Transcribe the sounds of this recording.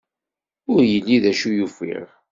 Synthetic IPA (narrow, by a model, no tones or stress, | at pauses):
ʊɾjəlːiðæʃujufḭʁ